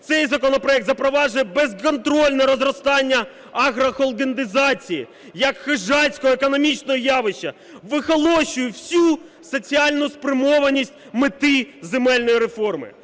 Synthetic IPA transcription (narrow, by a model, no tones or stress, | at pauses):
t̪sɛjzɐkɔnɔpɾɔɛk̚t̪zɐpɾɔʋɑʒʊjɛbɛzkɔnt̪ɾɔlʲnɛɾɔzɾɔst̪ɑnʲːɐ | ɐɣɾɐxɔlˠɡ̪end̪ɪzɑt͡sʲijḭ | jɐkxɪʒɑsʲkɔɦɔekɔnɔmʲit͡ʃnɔɦɔjɑʋɪʃɐ | ʋɪxɔlˠɔʃʊjʊwsʲu | sɔt͡sʲiɑlʲnʊspɾɪmɔʋɐnʲisʲtʲmɪt̪ɪzemɛlʲnɔjiɾefɔrmɪ̰